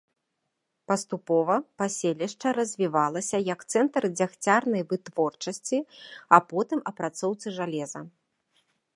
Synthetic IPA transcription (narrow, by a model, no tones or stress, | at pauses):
pɐst̪upɔvɐpasʲelʲiʂt͡ʂɐɾɐzʲvʲivalˠɐsʲɐjɐkt̪sɛnt̪ɾɨd͡zʲaxt͡sʲarnɐjvɨt̪vɔrt͡ʂɐsʲt͡sʲiɐpɔt̪ɨmɐpɾat̪sɔwt̪sɨʐalʲɛzɐ